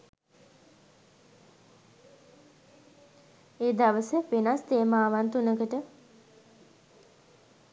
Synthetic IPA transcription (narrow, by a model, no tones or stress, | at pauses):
eːd̪aʋəsəʋenast̪eːmaːʋant̪unəkəʈə